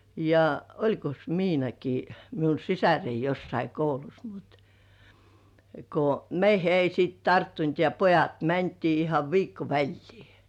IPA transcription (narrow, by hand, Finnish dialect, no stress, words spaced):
jɑ olʲkos miːnɑki miun̞ sisærei josːɑi koulus mut ko meihe ei siːt tɑrtːunt jɑ pojɑt mæntiː ihɑʋ ʋiːkːo ʋælʲliː